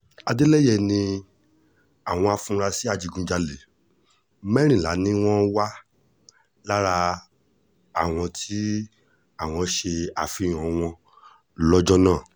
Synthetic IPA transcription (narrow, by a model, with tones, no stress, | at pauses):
a˧de˦lɛ˦jɛ˦˨nĩ˧ | a˨w̃ɔ̃˧a˧fũ˧ɾa˧si˦a˦˨d͡ʒi˨˧ɡũ˧˦d͡ʒa˧le˨˦ | mɛ˦ɾ̃ĩ˦˨la̰˨˦nĩ˦w̃ɔ̃˦wa˦ | la˦ɾa˧ | a˦˨w̃ɔ̃˧tʰi˦ | a˦˨w̃ɔ̃˧ʃe˧a˨fĩ˨˦˨ɔ̃˨w̃ɔ̃˧˦ | lɔ˦d͡ʒɔ˦nãː˦˨